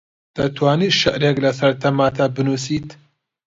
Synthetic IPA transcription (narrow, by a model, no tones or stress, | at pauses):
d̪̥ɐt̪ʰwaːniːʃɪʔɾeklɐsɐɾt̪ʰɐmaːt̪ʰabɨnuːsiːt̪